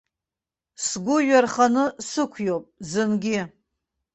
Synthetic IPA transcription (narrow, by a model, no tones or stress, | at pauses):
sɡʷʊɥᶣarχanɨsɨkʷʰjowpʼzɨnɡʲɪ